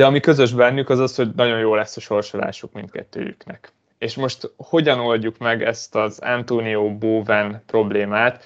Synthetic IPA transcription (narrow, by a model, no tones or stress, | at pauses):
d̪ɛɒmikø̞zø̞ʒbɛnːykɒzɒsho̞ɟnɒɟo̞njoːlɛsːɒʃo̞rʃola̰ːʃukmint̪kɛ̰t̪ːø̰ːjy̰knɛk | eːʃmo̞ʃt̪ho̞ɟɒno̞lɟukmɛɡɛst̪ɒzɛ̰nt̪oːnioːboːvɛnpro̞bleːmaːt̪